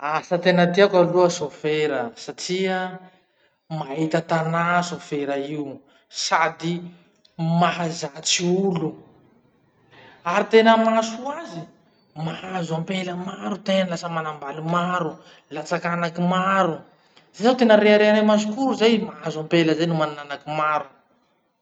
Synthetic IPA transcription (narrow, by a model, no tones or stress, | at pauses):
asət̪enət̪iakaruəsofeɾəsaʈ͡ʂiə | maɦit̪ət̪anasofeɾəiw | sad̪i | mahazat͡siulu | aɾit̪enəmasuazi | maɦazuampeləmaɾut̪enlasəmanambalimaɾu | lat͡sakanakimaɾu | z̥ajzawt̪enəɾeaɾeanajmasukuɾuzajmaɦazampeləzajnumanananakimaɾu̥